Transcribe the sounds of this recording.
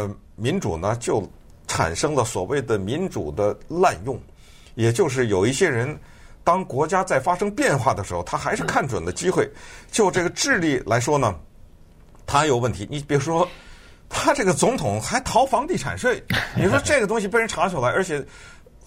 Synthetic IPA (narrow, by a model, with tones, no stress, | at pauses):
mi˧˥nʈ͡ʂṵ˨˩nə˦t͡ɕjo˥˩ʊ | ʈ͡ʂʰa̰˨˩nʂɤ˥ŋlə˨swɔ̰˨˩we˥˩ɪd̪ə˩mi˧˥nʈ͡ʂṵ˨˩d̪ə˦la˥˧njʊ˥˩ŋ | jɛ˨˩t͡ɕjo˥˧ʊʂ̬ɻ̩˥˩jo˨˩ʊi˥˩ɕjɛ˥ɻə˧˥n | t̪ɑ˥ŋkwɔ˧˥t͡ɕja˥t͡sa˥˩ɪfa˥ʂɤ˥ŋpjɛ˥˧nxwa˥˩d̪ə˩ʂɻxo˥˧ʊt̪ʰa˥xa˧˥ɪʂɻ̩˥˧kʰa˥˩nʈ͡ʂwə˨˩nd̪ə˦t͡ɕi˥xwe˥˩ɪt͡ɕjo˥˧ʊʈ͡ʂɤ˥˩ɡə˩ʈ͡ʂɻ̩˥˧li˥˩lʔa˧˥ɪʂwɔ˥nə˨ | t̪ʰa˥jo˨˩ʊwə˥˩nt̪ʰi˧˥ni˧˩pi˨˩u˥ʂwɔ˥ | t̪ʰa˥ʈ͡ʂɤ˥˩ɡə˩t͡sʊ˧˥ŋt̪ʰʊ˨˩˦ŋxa˧˥ɪt̪ʰɑ˧˥ʊfɑ˧˥ŋt̪i˥˩ʈ͡ʂʰa̰˨˩nʂwe˥˩ɪni˨˩ɻʂwɔ˥ʈ͡ʂɤ˥˩ɡə˩t̪ʊ˥ŋɕ̬i˨pe˥˧ɪɻə˥nʈ͡ʂʰa˧˥t͡ɕʰjo˧˩la˥ɪʔə˞˧˥t͡ɕʰjɛ˨˩˦